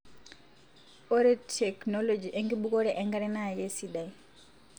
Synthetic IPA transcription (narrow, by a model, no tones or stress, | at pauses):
ɔɾitʰɛkʰnɔlod͡ʒiʔɛŋɡiɓukʼɔɺɛʔɛŋɡaɾɛnajesiɗai